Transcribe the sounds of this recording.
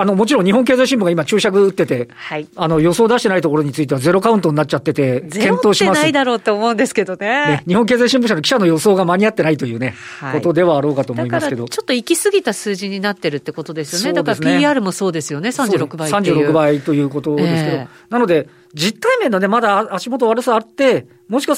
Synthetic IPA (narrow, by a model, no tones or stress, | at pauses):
ano̞mo̞t͡ɕiɾõɲ̟ɲ̟iɦõŋk̬e̞ːzaiɕ̬ĩmbɯŋɡaimat͡ɕɨːɕakɯ̟ɯt̪ːe̞t̪e̞aiano̞jo̞so̞ːd̪aɕit̪e̞nait̪o̞ko̞ɾo̞ɲ̟it͡sɨit̪eβad͡ze̞ɾo̞kaɯ̃nt̪oɲinat͡ɕ̚t͡ɕat̪ːe̞t̪e̞kẽ̞nt̪oːɕimasaid̪aɾo̞ːt̪ːeːmo̞ɯ̃nd̪esɨ̥ke̞d̪onene̞ɲ̟iɦõ̞ŋke̞ːzaiɕ̬ĩmbɯ̟ɕ̬anokʲi̥ɕano̞jo̞so̞ːɡamaɲ̟iat̪ːe̞nait̪o̞jɯ̟ːne̞ko̞t̪o̞d̪e̞β̞aːɾoːkat̪oːma̞imasɨke̞d̪o̞t͡ɕot̪ːoikʲisɨɡʲit̪asɨːʑiɲ̟inat̪ːe̞ɾɯ̟t̪ːe̞ko̞t̪o̞d̪e̞sɨjosneːadaɾasɨnieaːɾɯ̟mo̞so̞ːd̪e̞sɨjo̞nesãɲd͡ʑɨːɾokɯbasãɲ̟d͡ʑɨːɾo̞kɯ̟bait̪o̞jɯ̟ːko̞t̪o̞d̪e̞sɨ̥ke̞o̞ | nano̞d̪e̞ | d͡ʑit̪ːaime̞none̞mad̪aːɕimo̞t̪̬o̞βaɾɯ̟saat̪ːe̞ | mo̞ɕika